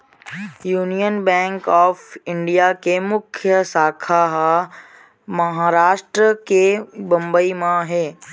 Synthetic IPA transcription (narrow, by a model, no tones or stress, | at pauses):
juːnijənbɛ̃ːŋkɔːfɪ̃ɳɖijakemʊkʰjəsaːkʰaɦ | mɐɦaːɾaːʃʈɾəkebɐ̃mbəimãɦeː